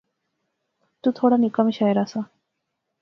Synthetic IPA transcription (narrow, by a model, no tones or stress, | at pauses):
t̪ũːt̪ʰoɽanikəmiɕaəɾasa